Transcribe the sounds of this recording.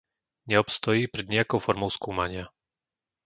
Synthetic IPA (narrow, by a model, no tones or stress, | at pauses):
ɲɛɔpst̪ɔjiːpɾɛd̪ɲɛjakɔʊfɔɾmɔʊskuːmaɲɪa